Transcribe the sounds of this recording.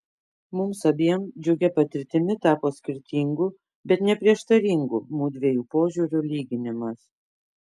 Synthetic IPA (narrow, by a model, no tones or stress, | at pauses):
mʊmsɐbʲiɛmd͡ʒʲʊɡʲɛpɐt̪ʲɪɾʲt̪ʲɪmʲɪt̪ɑːpoːt̪sʲkʲɪɾʲt̪ʲiŋɡu | bʲɛt̪nʲɛpʲɾʲiɛʃt̪ɐɾʲiːˑŋɡṵːmuːd̪ʲʋʲejuːpoːʒʲuːɾʲulʲiːɡʲɪnʲɪmɐs